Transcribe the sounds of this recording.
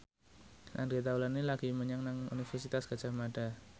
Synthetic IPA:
ʔa̰nɡet̪̬aulanːilaɡ̥iməɲaŋnaŋṵnifərsit̪asɡ̥ad͡ʒ̥amada

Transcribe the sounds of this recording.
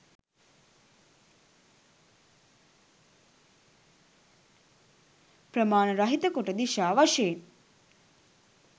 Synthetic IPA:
pɾəmaːnəɾɐɦit̪əkoʈəd̪iʃaːʋaʂejen

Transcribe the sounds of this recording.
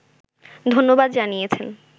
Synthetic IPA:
d̪ʱonːobad̪d͡ʑanijet͡ɕʰen

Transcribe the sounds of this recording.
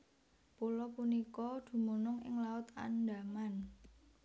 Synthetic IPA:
pulɔpunikɔd̪̥ṳmonʊŋɪ̰ŋlaʊt̪a̰nda̤man

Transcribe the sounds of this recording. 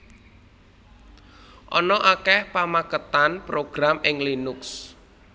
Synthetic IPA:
ʔɔ̰nɔʔakɛhpamakət̪anpɾoɡ̥ɾamɪŋlinʊks

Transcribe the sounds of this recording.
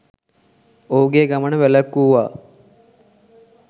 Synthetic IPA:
ouɡeːɡamənəʋelakːuːʋaː

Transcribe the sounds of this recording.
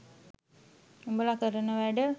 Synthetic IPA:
umbəlakəɾənəʋæɖə

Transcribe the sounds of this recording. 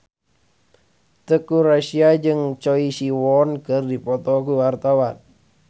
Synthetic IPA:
t̪əkurasiad͡ʒɨŋt͡ʃɔisiwɔnkərdipɔt̪ɔkuwart̪awan

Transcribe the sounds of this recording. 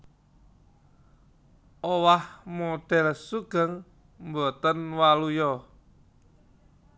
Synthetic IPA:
owahmoɖ̥ɛ̤lsuɡ̥ə̤ŋ | mbot̪ənwalujɔ

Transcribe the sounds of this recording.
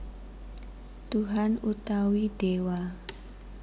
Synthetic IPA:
t̪uɦanut̪awiɖ̥ewa

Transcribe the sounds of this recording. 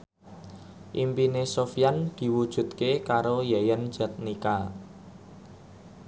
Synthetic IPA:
ʔimpinesofijand̪̥i̤wud̥ʒ̥ṳt̪kekaɾojajənd̥ʒ̥a̤t̪̚nika

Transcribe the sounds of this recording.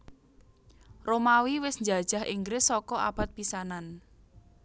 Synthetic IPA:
romawiwɪsɲd͡ʒa̤d̥ʒ̥ahḭŋɡɾɪsːɔkɔʔa̰b̥a̤t̪̚pisanan

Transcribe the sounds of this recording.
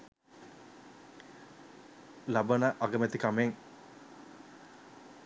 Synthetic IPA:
lɐbɐnəʔaɡɐmet̪ikameŋ

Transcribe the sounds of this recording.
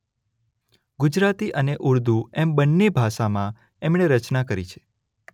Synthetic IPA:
ɡʊd͡ʒɾat̪iʔəneʔuɾd̪uɛmbənːebʱaʃamã | emɳeɾət͡ʃnakəɾḭt͡ʃʰe̥

